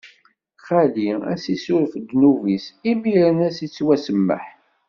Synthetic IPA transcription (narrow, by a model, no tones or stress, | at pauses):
χæliæ̰sisuɾfd̪nuvisimiɾənæsit͡sːwæsəmːə̰ħ